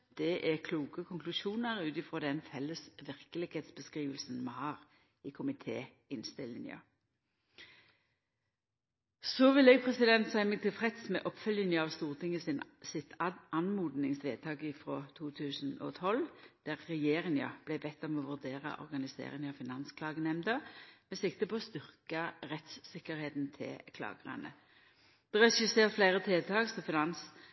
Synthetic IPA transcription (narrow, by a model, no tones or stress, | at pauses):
d̪̥ɛʔæʁkʰluːkəkʰʊŋklʉʃuːnəʁʉːt̪ɪfʁɔːd̪ɛnfɛlːəsʋɪʁkəlɪɡheːt̪sb̥əskʁiːʋəlsn̩mɑhɑːʁ | ɪkʰʊmɪt̪ʰḛː | ɪnst̪ɪlɪnə̰ | sɔʋɪlːɛɡ̚pʰʁɛsɪd̪ɛnt̪sæɪməɡ̚t̪ʰɪlfʁɛt̪smɛʔɔpfœlɪnjəɑʋst̪uːʁt̪ʰɪŋəsɪnsɪt̪ʰʔɑnmuːd̪nɪŋsʋḛːd̪̚t̪ʰɑːɡɪfʁoːt̪ʰuːt̪ʰʉːsn̩ɔ̰ːt̪ʰɔld̪̥æʁːɛjeːʁɪŋɑ̰b̥læbɛt̪ːɔmɔʋʉʁd̪eːʁɑ̰ʔɔ̰ʁɡɑnɪsḛːʁɪŋɑʋfɪnɑnskʰlɑːɡənɛmd̪əmɛsɪk̚t̪əpɔɔst̪ʏʁkɑʁɛt̪ssɪkːəʁheːt̪n̩t̪ʰɪ̰lkʰlɑ̰ːɡəʁɑ̰nə̰ | d̪̥ɛʁɛʃɪseːʁt̪flæɪʁət̪ʰɪlt̪ʰɑːkst̪ɔfɪnɑns